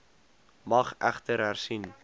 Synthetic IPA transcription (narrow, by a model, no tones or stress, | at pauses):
mɐχʔæ̰χtəɾɦærsin